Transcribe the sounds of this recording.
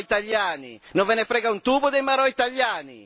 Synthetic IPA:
it̪aʎjaːnḭnɔvɛnɛfɾɛɣaunt̪uːβud̪ɛjmaɾɔit̪aʎːjaːnḭ

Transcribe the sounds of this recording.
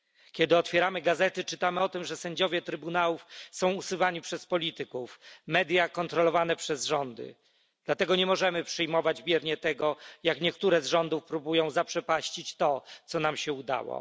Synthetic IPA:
kʲɛd̪ɘɔt̪fʲjɛɾamɘɡazɛt̪ɘt͡ʂɘt̪amɘɔt̪ɘmʐɛsɛɲd͡ʑɔvʲjɛt̪ɾɘbunawufsɔ̃w̃usɘvaɲipʂɛspɔlʲit̪ɘkufmɛd̪ʲjakɔnt̪ɾɔlɔvanɛpʂɛzʐɔnd̪ɘ̰ | d̪̥lat̪ɛɡɔɲɛmɔʐɛmɘpʂɘjmɔvad͡ʑbʲjɛɾɲɛt̪ɛɡɔjakɲɛkt̪uɾɛzʐɔnd̪ufpɾubujɔ̃w̃zapʂɛpaɕt͡ɕit͡ɕt̪ɔt̪sɔnamɕɛud̪a̰wɔ̰

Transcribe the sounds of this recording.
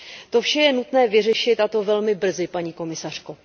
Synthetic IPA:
t̪o̞fʃɛjɛnut̪nɛːvɪrɛʃɪt̪ʔat̪o̞vɛlmɪbr̩zɪpaɲiːko̞mɪsar̝̥ko̞

